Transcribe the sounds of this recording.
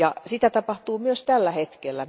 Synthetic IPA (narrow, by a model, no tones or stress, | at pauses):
ɑ̰sit̪æt̪ɑpɑht̪uːmyøst̪ælːæhet̪kelːæ